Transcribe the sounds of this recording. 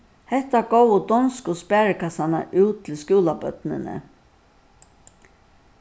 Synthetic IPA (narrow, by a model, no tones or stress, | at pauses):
hɛht̪aɡowʊd̪ɔnskʊspæːɹɪkʰasana̰ʔʉːt̪t̪ʰɪlskuːlapœ̰t̪nɪ̰nə̰